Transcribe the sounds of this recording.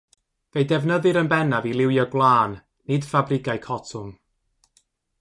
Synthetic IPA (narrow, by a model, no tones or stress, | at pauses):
vejdɛvnəðɨɾənbɛnavilˠɪwjɔɡlˠaːnː | ɨd̥fabrɪɡajkʰɔtʰʊm